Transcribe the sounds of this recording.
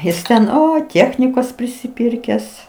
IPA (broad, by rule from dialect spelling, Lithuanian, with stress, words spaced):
ˈjɪs tʲɛn ˈoːɪ ˈtʲiɛxʲnʲɪkoːs pʲrʲɪsʲɪˈpʲɪrʲkʲæːs